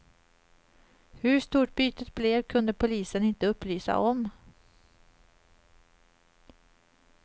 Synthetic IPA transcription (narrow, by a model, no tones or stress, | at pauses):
hɵʂt̪uːʈ̚byːt̪ət̪̚b̥leːvkʰɵnd̪əpʰʊliːsənɪnt̪əɵpːlyːsa̰ʔɔm